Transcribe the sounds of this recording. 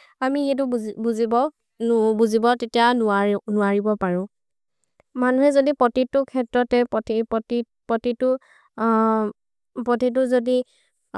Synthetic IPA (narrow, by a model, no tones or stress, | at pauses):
amixɛt̬ʊbuzibɔ | nbuzibɔtetijanʊanʊaɹibɔpaɹʊ̃ | manuɦɛzodipɹɔtitʊkʰɛtɹɔtɛpɔtipɔti | pɹɔtitʊ | pɹɔtit̬ʊzodi